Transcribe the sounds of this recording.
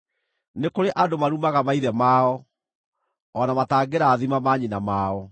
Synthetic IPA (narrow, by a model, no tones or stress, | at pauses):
nekoɾeʔadomaɾumaɣamaiðɛmaːɔ | ɔnamataːɡeɾaːðimamaɲinamaːɔ